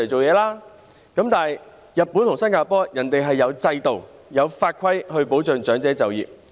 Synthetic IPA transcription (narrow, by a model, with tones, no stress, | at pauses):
jt͡so˨wjɛː˨˧laː˥ | kɐ˨˥mt̪aː˨˩j | jɐ˨t̚pːuː˨˥nt̪ʰʊ˨˩ŋsɐ˥nkaː˧pɔː˨˥jɐ˨˩nt̪e˨jɦɐ˨jːɐ˨˧wt͡sɐ˧jt̪o˨w | jɐ˨˧wfaː˧t̚kʰɐ˥jhɵ˧ɥpo˨˥wt͡sœː˨˧ŋt͡ʃœː˨˥ŋt͡sɛː˨˥t͡sɐ˨wjiː˨p̚